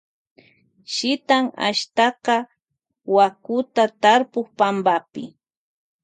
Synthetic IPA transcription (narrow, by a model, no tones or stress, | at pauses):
ʃɪt̪aŋa̰ʃt̪ɑqɑ | wakʊt̪at̪aɾpoχpambapɪ̰